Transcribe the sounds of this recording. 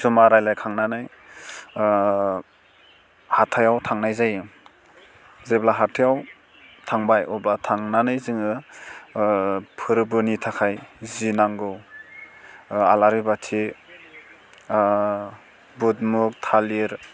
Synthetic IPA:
sumaɾajlajkʰaŋnanɯj | hatʰajawtʰaŋnajzaj | zeblaɦatʰijaw | tʰaŋbajɔblatʰaŋnanɯjzɯŋɯ | pʰɯɾbɯnitʰakʰajzinaŋɡɯw | alaɾibatʰi | but̚muk̚tʰaliɾ

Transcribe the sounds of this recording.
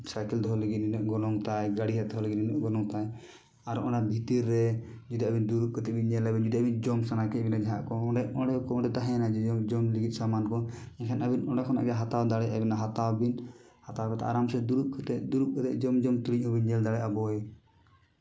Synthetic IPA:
sajkɛld̪ʱɔɦɔlɛɡit̪̚ninɔʔɡɔnɔŋt̪ajɡaɽiɦad̪ɔɦɔlɛɡit̪ninɔʔɡɔnɔŋt̪aj | aɾʔɔ̃ɳɖabʱit̪iɾːɛd͡ʒɔd̪iabind̪uɾuʔ̚kɔt̪ɛʔbinɲɛlabind͡ʒɔd̪ɔabind͡ʒɔmsanakɛbinad͡ʒɛɦaʔkɔɔɖɛɔɽɛkɔɔɖɛd̪aɦɛnad͡ʒɛd͡ʒɔd͡ʒɔmliɡit̪̚samankɔ | ɛkʰɛnabinɔɖɛkʰɔna̰ʔɡɛɦat̪awd̪aɽɛʔabinaɦat̪awbinhat̪awkɛt̪a̰ʔa̰ɾamsɛd̪uɾuʔ̚kʰt̪ɛʔd̪uɾuʔ̚kʰɔt̪ɛ̰ʔd͡ʒɔmd͡ʒɔmt̪uɽiɲɔbinɲɛld̪aɽɛʔabɔɛ

